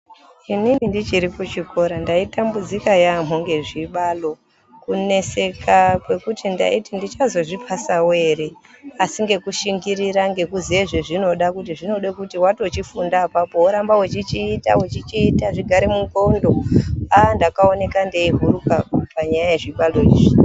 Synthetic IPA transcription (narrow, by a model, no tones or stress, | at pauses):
inimindit͡ʃiɾiput͡ʃiko̞ɾandaitambud͡zikajam̤uŋɡe̞ʐiɓalo̞ | kune̞se̞kʰakwe̞kutʰinda̰itindit͡ʃazo̞ʐipʰasawe̞ɾeasiŋɡe̞kuʃiŋɡiɾiɾaŋɡe̞kuzieʐeʐino̞ɗakutiʐino̞ɗekutiwato̞t͡ʃifundaːpapo̞wuɾambawet͡ʃit͡ʃiːta̰wet͡ʃit͡ʃiːtaʐiɡʱaɾemuko̞ndo̞andakaone̞kandeiɦurukapaɲajaje̞ʐiɓalo̞ḭːʐi